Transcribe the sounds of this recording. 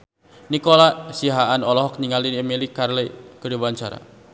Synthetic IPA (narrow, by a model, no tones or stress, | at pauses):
nikolasiɦaʔanɔlɔɦɔk̚niŋaliemelikːarlɛkəduwaɲt͡ʃa̰ɾa̰